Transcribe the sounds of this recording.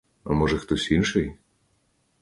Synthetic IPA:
a̰mɔʒɛxt̪ɔsʲinʃɛj

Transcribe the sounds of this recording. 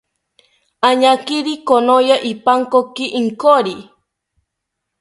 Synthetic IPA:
aɲakiɾikonojaʔipaŋkokiʔiŋkoɾi

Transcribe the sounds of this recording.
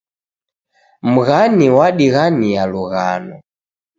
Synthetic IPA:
m̩ɣaniwaɗiɣanijaluɣa̰nɔ

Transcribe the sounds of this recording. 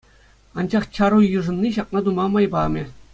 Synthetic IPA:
ɑnd͡ʑɑχt͡ɕɑɾujɯʐɤ̆nːiɕɑknɑd̪umɑmɑjbɑmʲɘ̆

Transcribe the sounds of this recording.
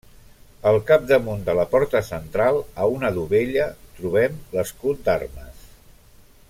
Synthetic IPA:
əlˠkap̚d̪əmund̪ələpɔɾt̪əsənt̪ɾalˠəunəðuβeʎət̪ɾuβ̞ɛmləskut̪̚d̪a̰rməs

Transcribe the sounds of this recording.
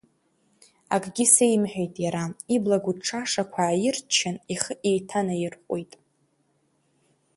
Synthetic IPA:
akʼɡʲɪsejmħᶣejtʼjaɾaiblaɡʷuʈ͡ʂʰaʂakʷʰaːjɪrt͡ʃʰɪniχəʔejtʰanajɪrqʷʼojtʼ

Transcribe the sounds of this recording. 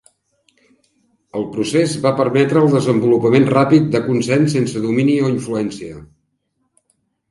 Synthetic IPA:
əlˠpɾusezβapəɾmɛt̪ɾəːlˠd̪əzəmbulupəmenrapit̪̚d̪əkunsɛnsːensəðuminioiɱfluɛnsiə

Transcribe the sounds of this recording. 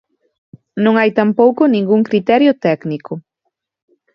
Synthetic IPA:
nõŋajt̪ampowkʊnĩŋɡuŋkɾit̪ɛɾjʊt̪ɛknikʊ

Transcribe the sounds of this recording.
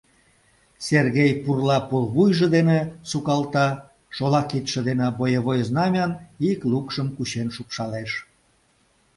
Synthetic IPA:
serɣejpurlɑpolβujʒĕd̪enesukɑlt̪ɑ | ʃolɑkit̪ʃĕd̪enebojəβojəznɑmʲɑniklukʃəmkuɕenʃukʃɑleʃ

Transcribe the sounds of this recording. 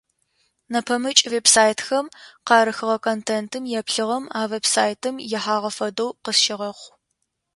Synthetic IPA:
nɐpʰɐmɨt͡ʃʼveːbsaːjtxɐmqɑːɾɨxɨʁɐkʰontʰeːntʰɨmjɛpɬɨʁɐmaːveːbsaːjtʰɨmjɛħaːʁɐfɐdowqəsʃɪʁɐχʷ

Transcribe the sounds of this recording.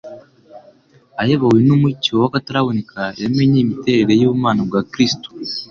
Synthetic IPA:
ajeβawenumuciowakataɾaβonekʰaemeɲimite̞ːɾeɾejuβumaːnabɡaːkɾisto̥

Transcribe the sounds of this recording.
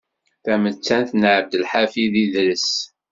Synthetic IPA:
θæmət͡sːænθnʕəb̚d̪əlħafiðiðɾəs

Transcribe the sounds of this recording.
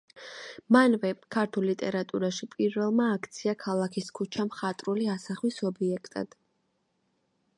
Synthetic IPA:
manvɛkʰaɾt̪ʰulit̪ʼɛɾat̪ʼuɾaʃipʼiɾvɛlˠmaːkʰt̪sʰiakʰalˠakʰiskʰut͡ʃʰamχat̪ʼɾuliasaχwisɔbiɛkʰt̪ʼa̰d̪̥

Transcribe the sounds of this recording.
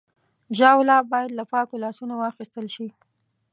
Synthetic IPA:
ʒɑwlɑbɑjad̪lapɑkolɑsunawɑxist̪əlʃi

